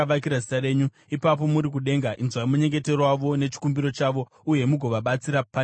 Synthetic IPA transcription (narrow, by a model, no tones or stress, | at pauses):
akiɾazitaɾe̞ɲu | ipap̬o̞muɾik̬uɗe̞ŋɡaʔinzwaimuɲe̞ŋɡe̞te̞rowaʋo̞ne̞t͡ʃi̥kumbiɾo̞t͡ʃaʋo̞ | uje̞muɡʱo̞ʋaɓat͡siɾapa